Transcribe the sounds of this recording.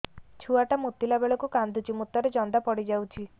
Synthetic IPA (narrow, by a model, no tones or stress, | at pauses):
t͡ʃʰuaʈamut̪ːilabeɭɔkukand̪ʱut͡ʃimut̪ːɔɾed͡ʒɔnd̪apɔɽid͡ʒawt͡ʃʰi